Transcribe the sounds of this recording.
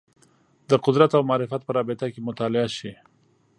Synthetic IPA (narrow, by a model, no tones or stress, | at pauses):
d̪əqʊd̪ɾat̪awmɑːɾɪfat̪̚pəɾɑbɪt̪akemʊt̪ɑlɪaʃi